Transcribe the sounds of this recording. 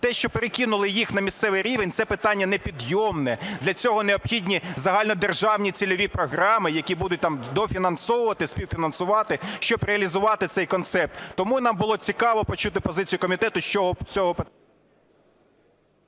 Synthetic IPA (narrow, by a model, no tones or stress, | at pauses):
t̪ɛʃt͡ʃɔpeɾekʲinʊlˠɪjixnɐmʲist̪sɛʋɪjɾʲiʋenʲt̪sɛpɪt̪ɑnʲːɐnɛpʲid̪jɔmnɛd̪lʲɐt͡sʲɔɦɔneɔpxʲidʲnʲizɐɦɑlʲnɔd̪erʒɑwnʲit͡sʲilʲɔʋʲipɾɔɦɾɑmɪjɐkʲibud̪ʊt̚ʲt̪ɑmd̪ɔfʲinɐnsɔʋʊʋɐt̪ɪsʲpʲiwfʲinɐnsʊʋɑt̪ɪʃt͡ʃɔbɾeɐlʲizʊʋɑt̪ɪt̪sɛjkɔnt̪sɛp̚t̪t̪ːɔmunɑmbʊlˠɔt͡sʲikɑʋɔpɔt͡ʃut̪ɪpɔzɪt͡sʲijʊkɔmʲit̪ɛt̪ʊʃt͡ʃɔɦɔt͡sʲɔɦɔpɪ